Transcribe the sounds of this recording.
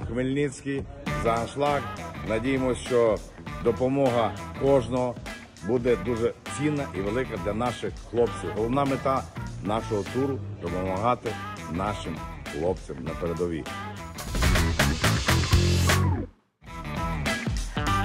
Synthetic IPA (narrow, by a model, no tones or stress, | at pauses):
xmelʲnʲɪt͡sʲkijzɐɐnʃlˠɑknɐdʲijemɔst͡ʃɔ | d̪ɔpɔmɔɦɐkɔʒnɔɦɔ | bud̪ɛd̪uʒɛt͡sʲinːɐʔiʋelˠɪkɐd̪lʲɐnɑʃɪxxlˠɔpt͡sʲiwɦɔlˠɔʋnɑmet̪ɑnɑʃɔɦɔt̪uɾʊd̪ɔpɔmɐɦɑt̪ɪnɑʃɪmxlˠɔpt͡sʲɐmnɐpeɾed̪ɔʋʲḭ